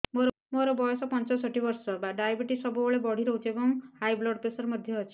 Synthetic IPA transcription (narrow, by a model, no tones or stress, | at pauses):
moɾɔ | moɾɔbɔjɔsɔpɔnt͡ʃɔsɔʈibɔɾsɔbaɖajbiʈisɔbuboɭebɔɽ̤iɾɔɦut͡ʃebɔŋhajblɔɽpesɔɾemɔd̪ʱjɔɦɔt͡ʃʰi̥